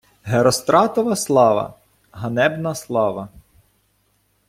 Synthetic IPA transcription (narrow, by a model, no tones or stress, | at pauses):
ɦeɾɔst̪ɾɑt̪ɔʋɐslˠɑʋɐ̰ | ɦɐnɛbnɐslˠɑʋɐ